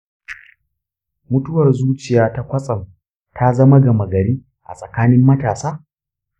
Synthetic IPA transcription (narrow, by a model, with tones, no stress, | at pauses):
mʊ˦tʊ˦wɐ˨rzuː˦t͡ʃɪ˨jaː˦ta˦kʷɐ˦sʼɐ˨m | ta˦zɐ˦ma˦ɡɐ˨mɐ˨ɡɐ˨ɽiː˦ | ʔa̰˨sʼɐ˨kaː˦nɪ˦mːɐ˦taː˨saː˦